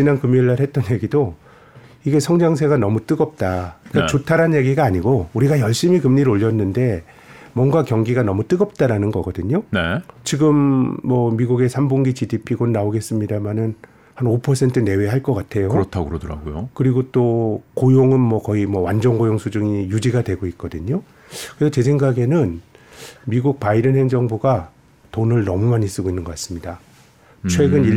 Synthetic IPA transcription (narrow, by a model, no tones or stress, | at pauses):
t͡ɕinankɯmːiɭːaɭhet̚t͈ʌnje̞ɡido | iɡe̞sʰʌŋd͡ʑaŋs̬ʰe̞ɡanʌmut͈ɯɡʌp̚t͈akat͡ɕotʰaɾanje̞ɡiɡaːɲiɡouɾiɡajʌɭɕ͈imikɯmɲiɾoʎːʌnːɯnde̞ | mwʌŋɡakjʌŋɡiɡanʌmut͈ɯɡʌp̚t͈aɾanɯnɡʌɡʌdɯɲonet͡ɕiɡɯmːʌmiɡuɡe̞sʰambuŋɡit͡ɕidipʰiɡonnaoɡe̞s͈ɯmɲidamanɯn | hanopʰʌsʰe̞ntʰɯne̞we̞ɦaɭk͈ʌk͈atʰe̞joɯɾʌtʰaɡɯɾodɯɾa̰ɡojokɯɾiɡot͈okojoŋɯnmʌkʌimʌwand͡ʑʌŋɡojoŋsʰud͡ʑuŋijud͡ʑiɡadwe̞ɡoit̚k͈ʌdɯɲo | kɯɾesʰʌt͡ɕes̬ʰe̞ŋɡaɡe̞nɯn | miɡuk̚paiɾɯnɦe̞ŋd͡ʑʌŋbuɡa | tonɯɭnʌmumaɲis͈ɯɡoinːɯnɡʌk͈as͈ɯmɲida | t͡ɕʰwe̞ɡɯni